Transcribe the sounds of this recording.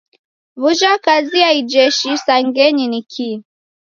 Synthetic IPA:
vuʒakaziaid͡ʒɛʃisaŋɡɛɲinikʰi

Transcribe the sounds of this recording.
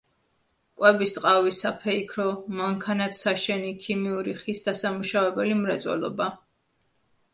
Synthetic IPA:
kʼwɛbist̪ʼqʼavisapʰɛikʰɾɔmaŋkʰanat̪ʰsaʃɛnikʰimiuɾiχisd̪asamuʃavɛbɛlimɾat̪sʼwɛ̰lɔ̰ba

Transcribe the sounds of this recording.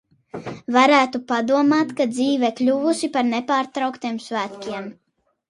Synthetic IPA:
vaɾæːt̪upad̪uɔmaːt̪kad̪ziːvɛklʲuvusipaɾnepaːɾt̪ɾawkt̪iɛmsvæːt̪kʲiɛm

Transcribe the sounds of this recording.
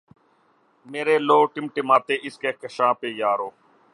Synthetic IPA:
meːɾeːloːʈɪmʈɪmaːt̪eːʔɪskeːkəʃãːpeːjaːɾoː

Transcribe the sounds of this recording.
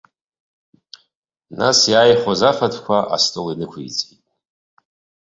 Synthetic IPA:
nasjaːjχʷozafatʰkʷʰaʔa̰stʼolinɨkʷʰḭjt͡sʼitʼ

